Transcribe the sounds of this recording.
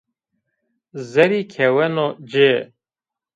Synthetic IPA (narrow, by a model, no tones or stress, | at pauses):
zɛɾikʰɛwɛnod͡ʒe